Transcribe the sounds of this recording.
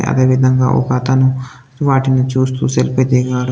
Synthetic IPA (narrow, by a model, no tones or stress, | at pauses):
ʔɐ̰d̪ɐʋid̪ʱɐŋɡa̰ːʔo̰kat̪anu | t̪ʋaːʈinɐt͡ʃuːst̪ṵːselped̪eɡaːɽ